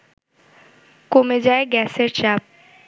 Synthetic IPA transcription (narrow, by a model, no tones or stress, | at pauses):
komed͡ʑaeɡɛseɾt͡ɕap̚